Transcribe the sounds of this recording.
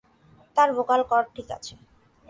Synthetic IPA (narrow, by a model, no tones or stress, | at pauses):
t̪aɾbokalkɔɾ̚ʈʰika̰t͡ɕʰe